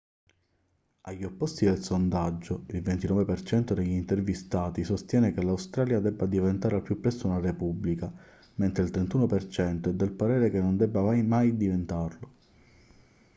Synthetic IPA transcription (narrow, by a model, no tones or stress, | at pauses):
aʎːiopːɔst̪id̪elsond̪ad͡ʒːoilvent̪inɔːvepert͡ʃɛnt̪od̪eʎːint̪ervist̪aːt̪isost̪jɛːnekelːawst̪ɾaːljad̪ɛbːad̪ivent̪aːɾealpːjupːɾɛst̪ounarepubːlika | ment̪ɾeilt̪ɾent̪uːnopert͡ʃɛnt̪oɛd̪ːelpaɾɛːɾekenːond̪ɛbːamajmajd̪ivent̪arlo